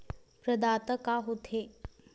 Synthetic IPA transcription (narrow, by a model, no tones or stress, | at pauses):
pɾəd̪at̪əkaɦot̪ʰe